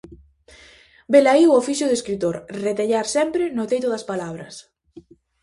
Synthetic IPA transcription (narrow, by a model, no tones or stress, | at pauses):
belaiofiʃjʊðeskɾit̪oɾret̪eʎaɾsɛmpɾɪnʊt̪ejt̪̬ʊðɐspalaβ̞ɾɐs